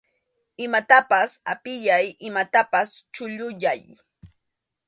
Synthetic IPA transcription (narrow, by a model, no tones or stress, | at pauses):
ɪmat̪apasapɪʎajɪmat̪apast͡ʃʊʎʊjaj